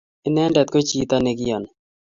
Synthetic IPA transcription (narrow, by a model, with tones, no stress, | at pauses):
ɪ˦nɛ˦ndɛ˨t̪̚ko˦t͡ʃiː˨t̪a˦ne˨ɡɪjɔ˨n